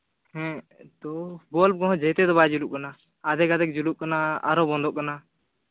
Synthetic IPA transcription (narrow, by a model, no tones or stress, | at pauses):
hɛ̃ | t̪ɔbɔlb̚kɔɦɔ̃d͡ʒət̪ɛd̪ɔbad͡ʒuluʔ̚kana | ad̪ɛkad̪ɛk̚d͡ʒuluʔ̚kanaa̰ɾɔbɔ̃nd̪ɔʔkana